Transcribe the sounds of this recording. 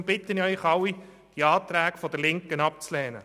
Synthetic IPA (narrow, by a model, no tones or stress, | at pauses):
mb̥ɪt̪ːənœʏχɑwi | d̥iɑːt̪ɾæːɡfɔdəlɪŋkənɑp̚t͡slɛːnə̰